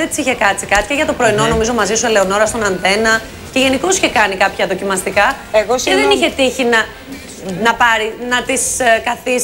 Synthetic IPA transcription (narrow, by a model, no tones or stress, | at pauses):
et̪isiçekɐt͡sikɐt͡si̥ceʝɐt̪o̞pɾo̞ino̞nomizo̞mɐzisuele̞ono̞ɾɐst̪o̞nɐnθe̞nɐ | ce̞ʝe̞niko̞si̥çe̞kɐnikɐpçɐðo̞cimɐst̪ikɐeɣoeðeniçe̞t̪içinɐ | nɐpɐɾinɐt̪iskɐθis